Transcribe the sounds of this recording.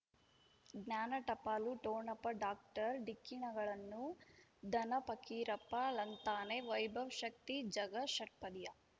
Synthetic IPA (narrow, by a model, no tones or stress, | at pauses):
ɡnʲaːnɐʈɐpaːluʈoːɳɐpɐɖaːk̚ʈɐɾɖikːinɐɡɐɭɐnːud̪ʱɐnɐpɐkiːɾɐpːɐlɐnt̪aːneʋɐjbʱɐʋʃɐk̚t̪id͡ʒɐɡɐʃɐʈ̚pɐd̪ijɐ